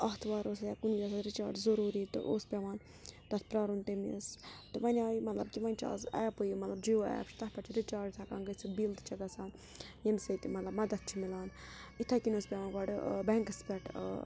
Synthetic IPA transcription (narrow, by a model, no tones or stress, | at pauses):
ɐɦt̪ʰʋaːɾoːsjakunʋiaːsaɾit͡ʃa̰ːɖzɐɾuːɾiːt̪ɨ̰ʔoːspʲɐʋaːn | d̪̥ɐt̪̚ʰpɾaːɾunt̪emist̪ɨʋɐnʲaːimɐt̪lɐb̚kiʋɐnʲt͡ʃʰa̰ːzɐ̰jpojmɐt̪lɐbd͡ʒioa̰ja̰pt͡ʃʰt̪ɐhpɐt͡ʃʰiɾit͡ʃaːɖt̪ʰɐkaːnɡɐt͡sʰɨbild̪t͡ʃʰɐɡɐsaːn | jemsɐjt̪imɐt̪lɐbmɐd̪ɐt̪̚ʰt͡ʃʰimilaːnit̪ʰakinoːspʲaʋaːnɡaːɖbɛŋkɐspʲɛʈʰ